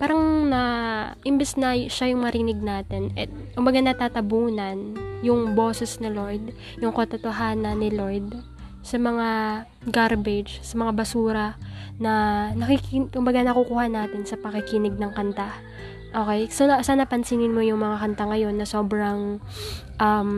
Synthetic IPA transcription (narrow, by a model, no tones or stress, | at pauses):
paːɾɐŋnɐʔɪmbɪsnɐʃajʊŋmɐɾɪnɪɡ̚naːt̪ɛnɛt̪̚kʊmbɐɡanɐt̪aːt̪ɐbuːnɐnjʊŋbo̞ːsɛsnɪlo̞jd̪̚ | jʊŋkot̪ɐt̪oɦaːnɐnːɪlo̞jd̪̚ | sɐmɐŋa | ɡaɾbɪd͡ʒsɐmɐŋabɐsuːɾɐnɐnɐkikkʊmbɐɡanɐkukuːhɐnaːt̪ɛnsɐpɐkɪkɪnɪɡ̚nɐŋkɐnt̪a | ʔo̞ːkɛjsosaːnɐpɐnsiːnɪnmo̞jʊŋmɐŋakɐnt̪aŋɐjo̞nːɐso̞ːbɾɐŋ | ʔɐm